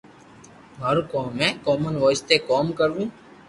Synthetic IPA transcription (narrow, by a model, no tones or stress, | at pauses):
məɾukoːmɛ̃ːkɔːmənʋɔːɪst̪eːkɔːmkəɾʋũː